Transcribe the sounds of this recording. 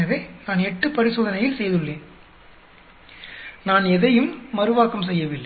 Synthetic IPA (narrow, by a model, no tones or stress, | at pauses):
ɐʋeːnaːnɛʈːɯpɐɾɪsoːðɐnɐjɪlsɛjɐðɯɭːeːn | naːnɛðɐjɯmːɐɾɯʋaːkɐms̬ɛjːɐʋɪlːɐ